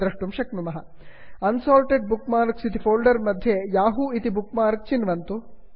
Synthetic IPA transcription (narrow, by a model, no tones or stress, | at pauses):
ɾɐʂʈumʃɐknumɐɦɐ | ɐnsaːlʈeɖ̚bukmaːɾksit̪ifʰoːlɖɐɾmɐd̪ʱjejaːɦuit̪ibukmaːɾɐk̚t͡ʃinʋɐnt̪u